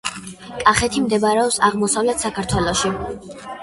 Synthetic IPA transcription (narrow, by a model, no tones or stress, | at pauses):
kʼaχɛt̪ʰimd̪ɛbaɾɛɔpsaʁmɔsavlɛt̪ʰsakʰaɾt̪ʰwɛlˠɔʃi